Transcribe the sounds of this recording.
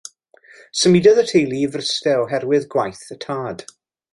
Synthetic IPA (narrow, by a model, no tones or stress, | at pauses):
səmidəðətʰejlˠivrəstɛɔɦɛɾwɪðɡwajθətʰaːd̥